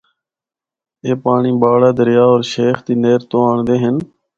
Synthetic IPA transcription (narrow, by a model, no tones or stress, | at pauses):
eːpaːɳĩːbaːɽaːd̪əɾɪjaːoːɾʃeːxt̪iːneːɾt̪oːaːɳd̪eːɦɪn